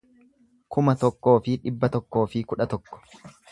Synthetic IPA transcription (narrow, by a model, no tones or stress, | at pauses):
kʊmɐt̪ɔkːo̞ːfɪᶑɪbːɐt̪ɔkːo̞ːfɪkʊᶑɐt̪ɔkːɔ̥